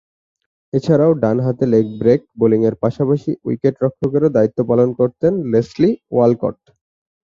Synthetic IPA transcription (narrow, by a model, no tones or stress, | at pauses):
et͡ɕʰaɾaoɖanɦat̪elek̚bɾek̚boliŋeɾpaʃapaʃiṵikeʈɾɔkʰːokeɾod̪ait̪ːopalonkoɾt̪enlesliwalko̰ʈ